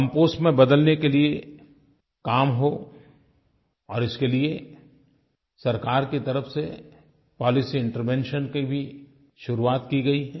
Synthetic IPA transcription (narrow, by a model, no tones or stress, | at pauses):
kɐ̃mpoːsʈmẽbɐd̪əlnekelie | kaːmɦo | ɔːɾɪskelie | sɐɾkaːɾkit̪ɐɾəfse | pɔːlɪsiɪ̃ɳʈəɾʋɛ̃ːnʃənkibʱi | ʃʊɾuaːt̪kiɡɐiɦɛː